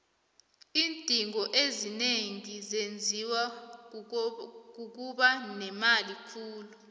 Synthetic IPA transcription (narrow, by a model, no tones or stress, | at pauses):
iːntʼiŋʱɔʔezineŋizend͡zʱiwa | k̬uk̬uɓanɛmalikʰuːlu